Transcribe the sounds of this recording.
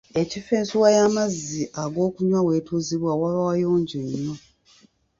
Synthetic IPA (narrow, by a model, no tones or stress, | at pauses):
e̞cifeːnsuwajamazːiʔaɡo̞ːkuɲwawe̞ːtuːziβwawaβawajo̞ːɲɟoɲːo